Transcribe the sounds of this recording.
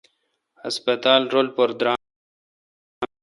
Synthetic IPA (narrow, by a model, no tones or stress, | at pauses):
aspət̪ɑːlɾolpoɾd̪ɾa